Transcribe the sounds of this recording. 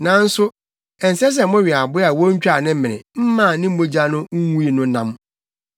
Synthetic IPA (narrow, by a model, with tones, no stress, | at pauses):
nã˨n̩˦sʊ˦ | ɛ˨n̩˨sɛ˦s̬ɛ˨˦mʊ̃˦ɥi˨a˨bʊ˦a˨wɔ˦ɲ̩˦t͡ɕᶣa˨nɪ̃˦m̩˦mɪ̃˨nɪ̰̃˨m̩˦mãː˦˨nɪ̃˦m̩˦mo˦d͡ʑa˦nʊ̃˦ŋ̩˦wu˦i˨nʊ̃˦nã˦m